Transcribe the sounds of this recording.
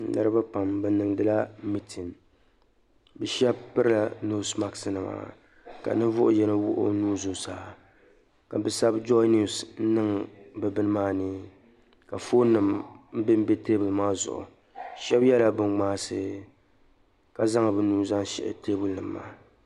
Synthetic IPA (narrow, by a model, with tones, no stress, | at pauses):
nɨ̰˦ɾɨ˦ba˦pa˨mbɛ˨˦nɨ˨ŋdɨ˦la˦mi˦tʰi˨n | bɛ˨ʃɛ˦b̚pɨ˦ɾɨ˦la˨no˦sma˦ksɨ˨˦nɨ˨ma̰ː˨ | ka̰˨nɨ˦vʊ˦ʔʊ˦jɛ˦nɨ˦wʊ̰˦ʔʊ̰˦nuː˦zʊ˨saː˨˦ | ka˨bɛ˦sa˦bd͡ʒɔ˦ni˨sn̩˦nɨ˦ŋbɛ˨bɨ˦nɨ˦maː˦nɨ˦ | ka˨fo˦nɨ˨mm̩˦bɪ˦m̩˦be˦te˦bʊ˨lmaː˦zʊ̰˨ʔʊ̰˨ | ʃɛ˦bjɛ˦la˦bɨ˨ŋɡ͡baː˦sɨ˦ | ka˨za˦ŋa˨bɨ˦nuː˦˨za˦ŋʃɛ̰˨ʔɪ̰˨te˦bʊ˨lnɨ˨mːa̰ː˦